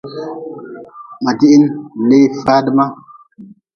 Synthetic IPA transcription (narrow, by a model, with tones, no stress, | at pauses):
ma˨ti˦ʔi˦n̩˨le˦˨fa˦də˦ma˦